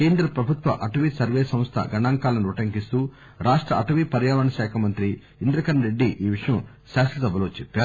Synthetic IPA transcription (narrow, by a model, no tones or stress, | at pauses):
keːnd̪ɾɐpɾɐbʱut̪ʋɐ̰ʔɐʈɐʋisɐɾʋeːsɐ̃mst̪ʰɐ̰ɡɐɳaːŋkaːlɐniɾuʈɐŋkist̪u | ɾaːʂʈɾɐɐʈɐʋipɐɾjaːʋɐɳɐʃaːkʰɐmɐnt̪ɾi | ind̪ɾɐkɐnɾeɖːiʔiːʋiʂɐjɐm | ʃaːsɐsɐbʱɐlo̞ːt͡ʃepːaːɾ